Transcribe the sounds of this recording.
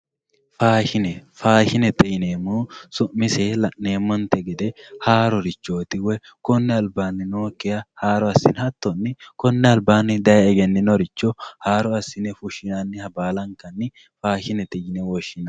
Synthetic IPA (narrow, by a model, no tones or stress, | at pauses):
faːʃɪnɛfaːʃɪnɛt̪ɛjɪneːmuːsʊʔmɪselɐʔneːmːɔnt̪ɛɡɛd̪ɛhaːɾɔɾɪt͡ʃːoːt̪ɪwɛ | kɔnːɛɐlbaːnːɪnoːkːɛjɐhaːɾɔɐsːɪ̰nhɐt̪ːɔnːɪkɔnːɛɐlbaːnːɪd̪ɐjɛɡɛnːɪnɔɾɪt͡ʃːɔhaːɾɔɐsːɪnɛfʊʃɪnɐnːɪhɐbaːlɐŋkɐnːɪ | faːʃɪnɛt̪ɛjɪnɛwɔʃːɪnɐ